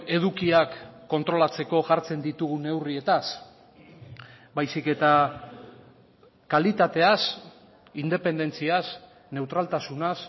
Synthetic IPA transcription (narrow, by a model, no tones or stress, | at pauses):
e̞ðukiakːo̞nt̪ɾo̞lat͡se̞ko̞ʝaɾt͡se̞nd̪it̪uɣune̞wrie̞t̪as | bajsike̞t̪a | kalit̪at̪e̞as | ind̪e̞pe̞nd̪e̞nt͡sias | ne̞wt̪ɾalt̪asunas